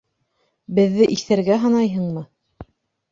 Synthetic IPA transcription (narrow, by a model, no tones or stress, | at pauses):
bɘ̆ðːɘʔiθæɾɡæɦɑnɑjɦɤɴmɤ